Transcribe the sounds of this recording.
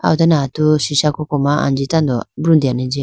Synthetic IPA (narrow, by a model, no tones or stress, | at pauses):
a̰ut̪anat̪uʃiʃakɔkɔmãʔa̰nd͡ʒit̪and̪ɔbɾũnd̪ianɛ̃d͡ʒi